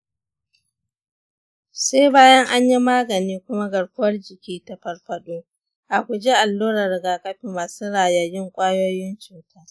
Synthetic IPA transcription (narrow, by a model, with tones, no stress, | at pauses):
se˦jbaː˦jɐ˦ŋʔa˦ɲji˦maː˦ɡɐ˨niː˦kʷʊ˦ma˦ɡɐ˨ɽkʷʊ˦wɐ˦rd͡ʒɪ˨kʲiː˦ta˨ɸɐ˨rɸɐ˦ɗuː˦ | ʔa˨kʷu˨d͡ʒe˦ʔa˨lːuː˦ɾɐ˨rɡaː˨kɐ˦ɸiː˨maː˨suː˦ɽaː˨jɐ˨jɪ˦ŋkʷʼaː˦joː˦jɪ˦nt͡ʃuː˨tʰaː˦